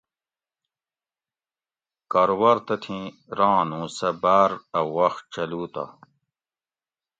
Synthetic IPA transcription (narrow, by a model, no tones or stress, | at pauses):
kɐɾwɐɾt̪ɐt̪ʰĩː | ɾãːnũːsɐbaːɾɐwɐxt͡ɕɐluːt̪a̰